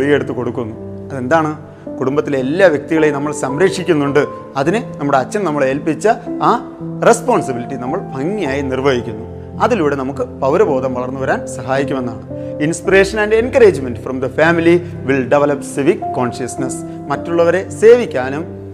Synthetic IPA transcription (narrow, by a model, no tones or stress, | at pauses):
ɭije̞ɽut̪ːɨko̞ɽukːunːu | ɐðe̞nd̪aːɳɨ | kuɽumbɐt̪ːileelːaːʋjek̚t̪iɣɐɭenɐmːɐɭsɐmɾekʂikʲːunːuɳɖɨ | ɐðinɨnɐmːuɽeɐt͡ɕːɐmnɐmːɐɭeːlpit͡ɕːɐaː | re̞spoːɳsɐbilitːinɐmːɐɭpɐŋːijaːjinirʋɐɦikʲːunːu | ɐðiluːɽe̞nɐmukːɨpɐwɾɐbo̞ːd̪ɐmʋɐɭɐrnːuʋɐɾaːnsɐɦaːjikʲːume̞nːaːɳɨ | inspire̞ːʂɐnɐnde̞nkɐɾe̞ːd͡ʑmendfrɐmd̪ɐfaːmili | ʋilɖeʋɐlɐpsiʋikːo̞ːnʂɐsnɐs | mɐtːuɭːɐʋɐɾe̞se̞ːʋikʲːaːnum